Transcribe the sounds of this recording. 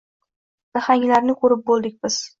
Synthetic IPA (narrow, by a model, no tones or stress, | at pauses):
d̪̥aχaŋʲlaɾnɪkʰɵɾɪp̚bolˠd̪ɪkʲbɪz̥